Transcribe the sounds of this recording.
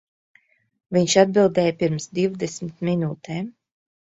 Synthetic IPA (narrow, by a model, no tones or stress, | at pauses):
viɲʃad̪̚bilˠd̪ɛːjpiɾmsd̪iwd̪esmit̪minuːt̪ʰɛːm